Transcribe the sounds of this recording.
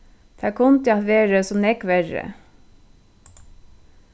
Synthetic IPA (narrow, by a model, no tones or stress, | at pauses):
t̪ʰækʰʊnt̪əɑt̪ʋeːɹəsɔnɛkʋɛɹə̰